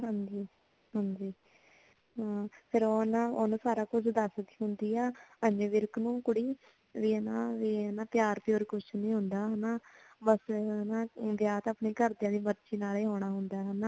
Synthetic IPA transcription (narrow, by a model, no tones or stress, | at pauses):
ɦə̃nd͡ʒiː | ɦãːnd͡ʒiː | ɦãːpʰɪɾoːnaːonũːsaːɾaːkʊt͡ʃʰd̪əsd̪iːɦʊnd̪iːɛːəɲeʋɪɾknũːkʊɽiː | ʋiːɛnaːʋiːnaːpjaːɾpjoːɾikʊt͡ʃʰnĩːɦʊnd̪aːɦɛnaː | bəsnaːʋjaːt̪əːpniːkəɾd̪jãːd̪iːmətːʃiːnaːleːɦoːɽ̃aːɦʊnd̪aːɦɛnaː